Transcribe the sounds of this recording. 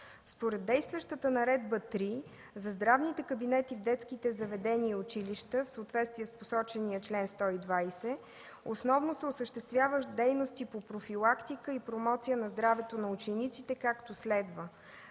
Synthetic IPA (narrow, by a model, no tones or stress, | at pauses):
spoɾɛd̪ːɛjst̪vəʃt̪ət̪ənɐɾɛd̪̚bət̪ɾi | zɐzd̪ɾavnit̪ɛkəbinɛt̪ivd̪ɛt̪sk̟it̪ɛzɐvɛd̪ɛniəʊt͡ʃiliʃt̪əfsəʊt̪vɛt̪st̪viɛsposɔt͡ʃɛniət͡ʃlɛnst̪ɔid̪vajsɛ | osnɔvnosɛʊsəʃt̪ɛst̪vʲjavəd̪ɛjnost̪ipopɾofilˠakt̪ikəipɾomɔt̪sijənɐzd̪ɾavɛt̪onɐʊt͡ʃɛnit̪sit̪ɛkakt̪oslɛd̪və